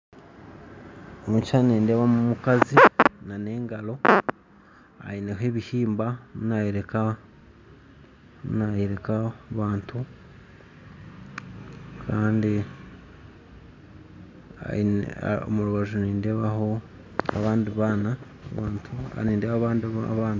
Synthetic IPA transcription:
omut͡ʃaniːndeβamumukazinane̞ːŋɡalo̞ | a̰ineɦe̞βihiːmbamunajeɾe̞ka | munajeɾe̞kaβaːntʰu | kʰaːndi | a̰o̰muɾuβaʒuniːnde̞βaɦo̞ | a̰βaːndiβana | βaːntʰua̰niːndeβaβaːndβaːnt

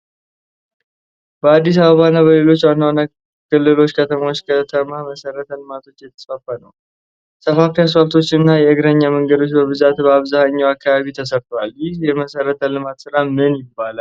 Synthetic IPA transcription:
bəad̪ːis̬aβəβanːaβəle̞lo̞t͡ʃːwanːawana | kɨlːɨlo̞t͡ʃːkʰət̪ʰəmaot͡ʃːkʰət̪ʰəmaməsəɾət̪ʰəlɨmat̪ʰo̞t͡ʃːjɛt̪ʰə̥sfafːanəw | səfafias̬falt̪ʰo̞t͡ʃːɪɨnːajɛɨɡɾəɲːaməŋɡəd̪o̞t͡ʃːbəβɨzat̪bəaβzahaɲːawakːaβaβit̪ʰəs̬əɾt̪ʰowaljɪhjɛməsəɾət̪ʰəlɨmat̪sɨɾamɨnjɪbːala

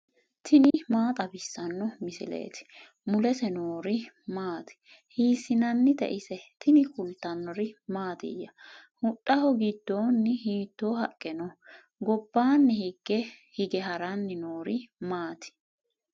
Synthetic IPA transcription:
t̪ʰɪnɪmaːt̪ʼɐbɪsːɐnːɔmɪsɪ̰lḛːt̪ɪ̥ | mʊlɛsɛnoːɾɪ | maːt̪ɪ̥ | hiːsɪnɐnːɪt̪ɛ̰ʔɪsɛt̪ʰɪnɪkʊlt̪ːɐnːɔɾɪmaːt̪ɪ̰jːɐhʊɗʼːɐhɔɡɪd̪ːoːnːɪhiːt̪ːoːɦɐkʼːɛnɔ | ɡɔbːaːnːɪhɪɡ̥ɛhɪɡɛɦɐɾɐnːɪnoːɾɪmaːt̪ɪ̥

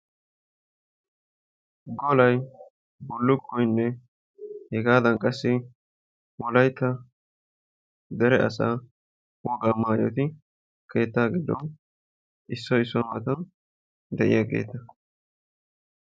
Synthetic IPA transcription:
ɡɔlɐj | bʊlːʊkʼːɔjnːɛ | hɛɡaːd̪ɐnkʼɐsːɪ | wɔlɐjt̪ːɐ | d̪ɛɾɛʔɐ̰sa̰ː | wɔɡaːmaːjɔ̰t̪ɪ | kʰe̞ːt̪ːaːɡɪd̪ɔ̰n | ʔɪsːɔɪsːɔmɐt̪ɐn | d̪ɛʔɪ̰jaɡḛːt̪ːɐ

